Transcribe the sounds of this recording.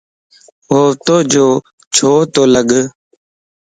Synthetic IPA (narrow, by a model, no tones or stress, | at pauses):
ɦoːt̪oːd͡ʒoː | t͡ʃʰoːt̪oːləɡ